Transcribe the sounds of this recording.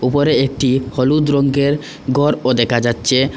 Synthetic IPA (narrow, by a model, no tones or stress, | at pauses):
upoɾeek̚ʈihɔlud̪ɾoŋɡeɾ | ɡɔɾod̪ekʰad͡ʑatːɕʰe